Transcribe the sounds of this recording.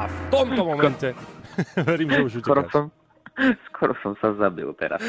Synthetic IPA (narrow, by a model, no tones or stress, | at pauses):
aft̪ɔmɔmɔmntɛ | vɛɾimʒɛuʒukɔɾɔsɔm | skɔɾɔsɔmsazabḭlˠt̪ɛ̰ɾa̰s